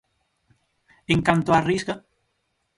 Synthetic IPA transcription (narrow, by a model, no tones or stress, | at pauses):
eŋkant̪oariska